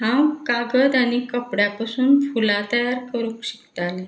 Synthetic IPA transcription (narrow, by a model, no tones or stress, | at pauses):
ɦãwkaɡəd̪añikəpɽjapasuːnfulat̪əjaɾkəɾukɕi̥kt̪ale